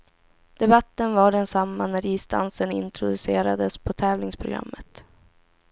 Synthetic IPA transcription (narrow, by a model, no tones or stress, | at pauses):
d̪̥ɛbat̪ːənvaɖɛnsamːanæɾiːst̪a̰nsənɪ̰nt̪ʰɾʊd̪ɵseːɾad̪əspʰɔt̪ʰɛːvlɪŋspʰɾʊɡɾa̰mːət̪